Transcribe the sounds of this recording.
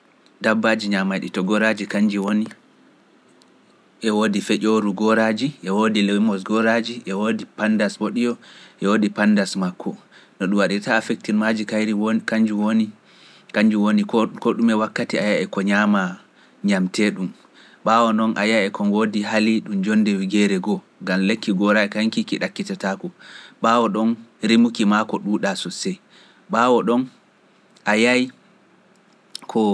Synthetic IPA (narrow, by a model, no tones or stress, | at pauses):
dabːad͡ʒiɲamajɗitɔɡɔɾad͡ʒikaɲd͡ʒiwoni | ʔɛwoːdifɛʔoɾuɡɔɾad͡ʒiʔɛwodilɛmɔsɡɔɾad͡ʒiʔɛwodipandaswoɗijɔʔɛwodipandasmakʰːɔnɔɗumwaɗitaːfɛk̚tiɾmad͡ʒikajɾikaɲd͡ʒuwoni | kaɲd͡ʒuwonikɔɗumɛwakːatiajaɛkɔɲama | ɲamtɛɗum | ɓawɔnɔnʔa̰jajɛkʰɔnwodiɦaliɗumd͡ʒɔndɛwiɡɛɾɛɡɔ | ɡamlekːiɡɔɾakaŋkikiɗakːitatakɔɓaːwɔɗɔnɾimukimakɔɗuːɗasɔsɛ | ɓawɔɗɔn | ʔajaji | kʰɔ